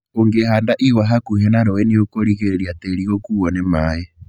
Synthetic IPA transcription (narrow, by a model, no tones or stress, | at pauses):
oŋɡehaːndaʔiwaɦakuɦɛnaɾoweneokoɾiɣeɾeɾiateɾiɣokuːɣɔnemaːje